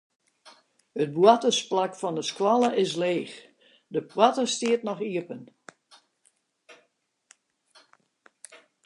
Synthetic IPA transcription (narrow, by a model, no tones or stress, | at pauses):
ət̚bwatəsplakfɔndəskwalˠəʔɪs̬leːx | dəpʰwatəstiətnɔxiəpən